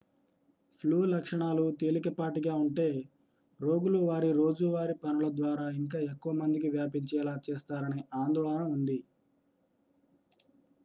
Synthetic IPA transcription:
pʰluːlɐkʂɐɳaːlut̪e̞ːlikɐpaːʈ̬iɡaːuɳʈe̞ː | ɾo̞ːɡuluʋaːɾiɾo̞ːd͡ʒuʋaːɾipɐnulɐd̪ʋaːɾaːiŋk̬aːekːuʋɐmɐnd̪ik̬iʋjaːpiɲt͡ʃɛːlaːt͡ʃeːst̪aːɾɐniʔaːnd̪ɔːɭɐnɐmund̪i

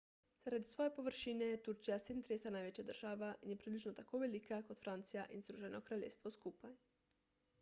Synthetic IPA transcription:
z̥aɾad̪isʋo̞je̞po̞ʋr̩ʃineet̪uɾt͡ʃijased̪mt̪ɾeːsanaːjʋet͡ɕad̪r̩ʒ̥aʋaʔinjepɾibliʒnot̪akoʋelikako̞d̪fɾant̪sijaʔinizɾuʒenokɾaʎeːfst̪ʋoskupaj

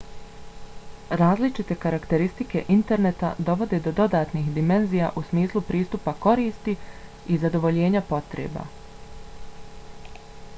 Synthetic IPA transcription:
ɾaːzlit͡ʃit̪e̞kaɾakt̪e̞ɾist̪ike̞̰ʔint̪e̞ɾne̞t̪a̰d̪o̞ʋo̞d̪e̞d̪o̞d̪o̞d̪aːt̪nixd̪ime̞nzijaʔusmiːslˠupɾiːst̪upako̞ɾiːst̪i | izad̪o̞ʋo̞ʎe̞ːɲapo̞t̪ɾḛːba̰

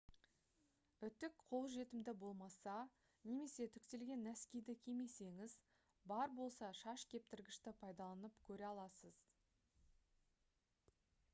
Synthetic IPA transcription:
ʏt̪ɪkqʰo̞lˠʒe̞t̪ɪmd̪ɪbo̞lˠmɑsɑ | ne̞me̞se̞t̪ʰʏkt̪e̞lɡʲe̞nːæskʲejd̪ɪkʲʰeme̞se̞ŋɪz | bɑɾbo̞lˠsɑʃɑʃkʲʰe̞p̚t̪ɪɾɡʲɪʃt̪ɪpʰɑjd̪ɑlˠɑnəpkʲʰɵɾeɑlˠɑsəz

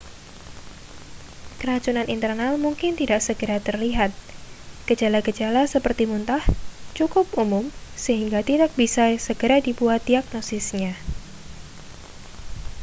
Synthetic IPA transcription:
kəɾat͡ʃunanint̪ərnalmuŋkɪnt̪idak̚səɡəɾat̪ərliɦat̪̚ɡ̥əd͡ʒalaɡəd͡ʒalasəpərt̪imunt̪aht͡ʃukʊp̚umʊmsəɦiŋɡat̪idak̚bisasəɡəɾadipuat̪̚diaɡ̚nosɪsɲa

